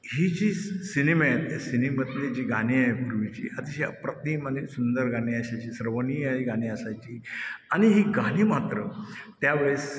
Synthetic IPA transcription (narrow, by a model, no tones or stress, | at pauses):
hid͡ʑiːsinimet̪sinimət̪t̪ed͡ʑiːɡañiajpuɾʋit͡ɕḭːʔat̪iɕapɾət̪niːmanisund̪əɾɡañiːəɕajt͡ɕiːsəɾʋəniːəiɡañiːəsajt͡ɕiːaɽ̃iɦiːɡaɽ̃iːmat̪ɾət̪jaʋeɭs